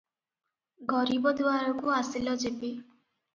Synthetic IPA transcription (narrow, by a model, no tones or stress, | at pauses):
ɡɔɾibɔd̪waɾɔkuasilɔd͡ʒepi